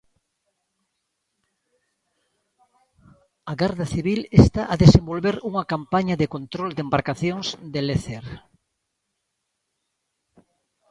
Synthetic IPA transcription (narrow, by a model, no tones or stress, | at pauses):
ɐɣaɾðɐθiβilest̪aʔɐðesẽmbolβeɾuŋɐkampaɲɐðekont̪ɾold̪embaɾkaθjoŋsd̪eleθeɾ